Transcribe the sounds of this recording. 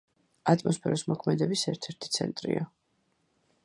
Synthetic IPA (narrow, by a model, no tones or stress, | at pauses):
at̪ʼmɔspʰɛɾɔsmɔkʰmɛd̪ɛbisɛɾt̪ʰɛɾt̪ʰi̥t̪sʰɛnt̪ʼɾḭa